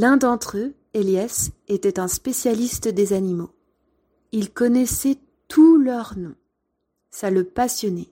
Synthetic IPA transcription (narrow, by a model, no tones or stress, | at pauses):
lɛ̃d̪ɑ̃t̪χø | eljaset̪ɛt̪ɛ̃spesjalist̪d̪ezanimo | ilkɔnɛsɛ | t̪ʰulœʁnɔ̃ | saləpasjɔnɛ